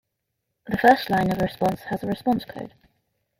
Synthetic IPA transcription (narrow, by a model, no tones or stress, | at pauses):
ðəfɜˑstˡlãɪ̃nəvɹɪspɒ̃nshəzəɹɪspɒ̃nskʰo̰ʊd̥